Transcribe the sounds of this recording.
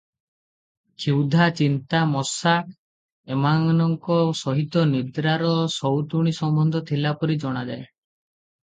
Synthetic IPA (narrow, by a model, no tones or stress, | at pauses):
kʰiwd̪ʱat͡ʃint̪amɔsa | emaŋnɔŋkɔsɔɦit̪ɔnid̪ɾaɾɔsɔwt̪uɽ̃isɔmbɔnd̪ʱɔt̪ʰilapɔɾid͡ʒɔɽ̃ad͡ʒae